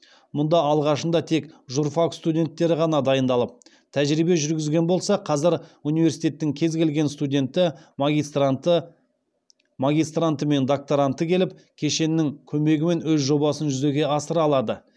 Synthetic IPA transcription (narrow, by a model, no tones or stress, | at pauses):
mʊnd̪ɑɑlˠʁɑʃənd̪ɑt̪ʰe̞kʒurfakst̪udʲe̞nt̪ːe̞ɾɪʁɑnɑd̪ɑjənd̪ɑlˠəp̚ | t̪ʰæʒɾibe̞ʒʏɾɡʲɪzɡʲe̞nbo̞lˠsɑqʰɑzɪɾunijve̞ɾsit̪ʲe̞t̪ːɪŋkʲʰe̞zɡʲe̞lɡʲe̞nst̪ud̪ʲe̞nt̪ɪ | maɡʲijst̪ɾant̪əme̞nd̪ok̚t̪oɾant̪əkʲʰe̞lɪp̚kʲʰe̞ʃe̞nːɪŋkʲʰɵme̞ɡʲɪme̞nwɵzʒo̞bɑsənʒʏze̞ɡʲe̞ɑsəɾɑlˠɑd̪ə